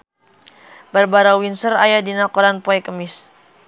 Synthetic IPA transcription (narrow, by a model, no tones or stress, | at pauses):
barbaɾawinsərajadinakɔɾanpɔɛkəmɪs